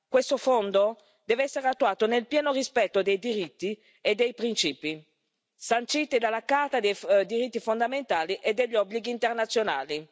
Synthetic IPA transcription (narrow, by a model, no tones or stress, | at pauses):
kwest̪ofond̪o | d̪ɛːveɛsːeɾeat̪ːuaːt̪onelpjɛːnorispɛt̪ːod̪ejd̪iɾit̪ːi | ed̪ːejpɾint͡ʃiːpi | sant͡ʃit̪ed̪alːakart̪ad̪ejd̪iɾit̪ːifond̪ament̪aːliʔed̪ːeʎːɔbːliɡiːnt̪ernat̪sːjona̰ːli